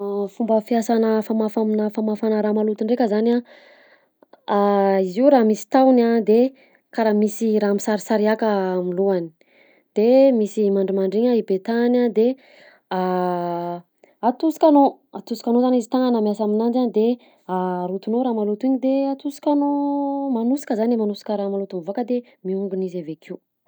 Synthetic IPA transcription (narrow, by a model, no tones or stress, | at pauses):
fumbəfiasanəfamafaminafamafanəɾamalut̪uɳɖ͡ʐekəzana | aiziuɾamisi̥t̪awnad̪e | kaɾamisiɾaːmisaɾisaɾiakamiluani̥ | d̪̥emisimaɳɖ͡ʐimaɳɖ͡ʐiɲaibet̪anad̪e | a | at̪usi̥kʲanoat̪usi̥kanozanizit̪aŋanamiasaminand͡ʒand̪e | aɾut̪unoɾaːmalut̪iɲid̪eat̪usi̥kʲanomanusi̥kəzanemanusi̥kəɾamalut̪unvuakəd̪e | miuŋɡunizavekʰiu